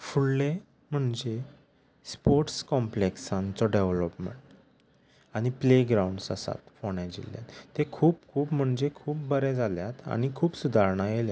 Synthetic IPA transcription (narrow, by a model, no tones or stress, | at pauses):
fuɽle | m̤əɳd͡ze | spoɾʈskɔmpleksãnt͡sɔɖeʋləpmḛɳʈ | aɽ̃ipleɡɾauɳɖsa̰sa̰t̪foɳjad͡ʑḭlja̰t̪t̪ːekʰuːp̚kʰuːpm̤əɳd͡zekʰuːp̚bəɾɛd͡zʱaljat̪a̰ñikʰuːpsud̪ʱaɾɳajelja